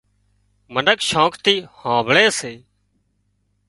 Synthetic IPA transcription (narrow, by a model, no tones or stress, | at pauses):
mənəkʃõːkt̪iːhãːbʱɭeːseː